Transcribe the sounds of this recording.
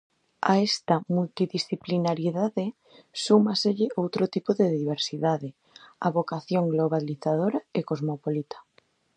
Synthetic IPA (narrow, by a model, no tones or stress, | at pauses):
a̰est̪ɐmult̪iðisθiplinaɾjeðaðɪ | sumaseʎɪʔowt̪ɾot̪ipoðeðiβ̞eɾsiðaðɪ | a̰βokaθjoŋɡloβ̞aliθaðoɾaekozmopolit̪ʰḁ